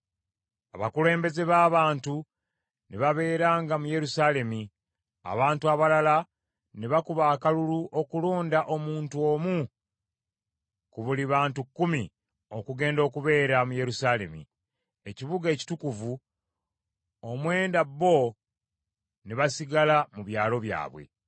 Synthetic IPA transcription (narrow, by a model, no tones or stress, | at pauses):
aβakule̞ːmbe̞ze̞βaːβaːntu | neβaβe̞ːɾaːŋɡamuje̞ɾusaːle̞mi | a̰βaːntuaβalala | neβakuβaːkaluluʔo̞kuloːndaʔo̞muːntuo̞ːmu | kuβuliβaːntukːumi | o̞kuɡe̞ːndo̞ːkuβe̞ːɾamuje̞ɾusaːle̞̰mḭ | eciβuɡe̞ci̥tukuvu | omwe̞ːndabːo̞ | neβasiɡalamuβjaːlo̞βja̰ːβwe̞̰